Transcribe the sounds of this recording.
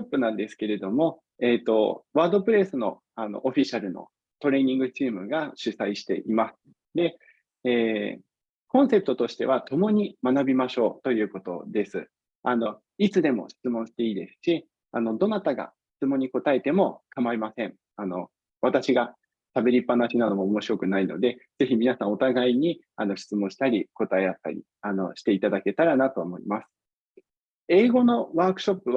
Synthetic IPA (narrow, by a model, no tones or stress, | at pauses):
opːɯ̟nãnd̪e̞sɨ̥ke̞ɾe̞d̪o̞mo̞ | e̞ːt̪ːo̞̰βaːd̪o̞pɯ̟ɾe̞sɨno̞̰ | ano̰ʔoɸʲiɕaɾɯ̟no̞̰ | t̪o̞ɾe̞ːɲ̟ĩŋɡɯ̟t͡ɕiːmɯ̟ɡaɕɨsaiɕi̥t̪e̞̰ʔimasɨ̥ | d̪e̞ | eː | kõ̞ɰ̃se̞pɯ̟t̪o̞t̪o̞ɕi̥t̪e̞̰β̞at̪o̞mo̞ɲ̟imanabʲimaɕo̞ːt̪o̞jɯ̟ːko̞t̪o̞̰d̪e̞sɨ̰ | ano̞ | it͡sɨd̪e̞mo̞̰ɕi̥t͡sɨmõ̞ɰ̃ɕi̥t̪e̞iːd̪e̞sɨ̥ɕi | ano̞d̪o̞nat̪aɡa̰ɕi̥t͡sɨmõ̞ɲ̟ːiko̞t̪ae̞t̪e̞mo̞kʰamaimasẽ̞ɴŋ | ano̞ | βat̪aɕiɡa | sabe̞ɾʲipːanaɕinano̞moːmo̞ɕiɾo̞kɯ̟naino̞̰d̪e̞d͡z̥e̞çimʲinasãɰ̃o̞t̪aɡaiɲ̟i | ano̞ɕi̥t͡sɨmõ̞ɕi̥t̪aɾʲiko̞t̪ae̞at̪ːa̰ɾʲḭ | ano̞̰ɕi̥t̪e̞it̪ad̪ake̞t̪aɾanat̪o̞ːmo̞ḭmasɨ̥ | e̞ːɡo̞no̞βaːkɯ̟̥ɕo̞pːɯ̟βa